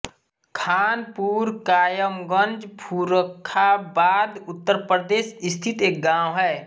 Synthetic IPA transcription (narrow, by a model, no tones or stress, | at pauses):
kʰaːnpuːɾkaːjəmɡə̃nd͡ʒpʰuɾəkʰːabaːd̪ʊt̪ːəɾpɾəd̪eːsɪst̪ʰit̪eːk̚ɡãːwɦɛː